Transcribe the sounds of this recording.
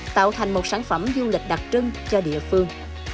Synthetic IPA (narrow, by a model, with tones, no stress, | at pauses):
t̪a̰ː˧˨wt̪ʰa˨˩jŋ̟mo˨˩t̚saː˧˥nfə˧˩mzu˧li˨˩k̟̚ɗa˨˩t̚t͡ɕɨ˧ŋt͡ɕɔ˧ɗḭ˧˨əfɨ˧əŋ